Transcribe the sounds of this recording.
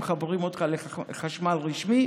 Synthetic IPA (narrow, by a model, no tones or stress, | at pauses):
χaboʁimod̪kale | χaʃmalʁiʃmi